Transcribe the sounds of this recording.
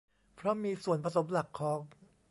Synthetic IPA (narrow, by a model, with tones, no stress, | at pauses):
pʰɾɔ˦˥miː˧su˨˩ənpʰa˧so˩˦mla˨˩kʰːɔː˩˦ŋ